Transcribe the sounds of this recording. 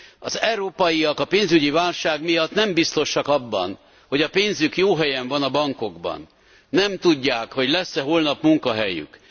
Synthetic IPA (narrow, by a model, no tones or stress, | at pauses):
ɒzɛwɾoːpɒjiɒkɒpeːnzyɟivaːlʃaːɡmijɒt̪nɛmbist̪o̞ʃɒkɒbːɒ̰n | ho̞ɟɒpeːnzykjoːɦɛjɛɱvɒnɒbɒŋko̞ɡbɒ̰nː | ɛmt̪uɟːaːkho̞ɟlɛsːɛɦolnɒpmuŋkɒɦɛjy̰k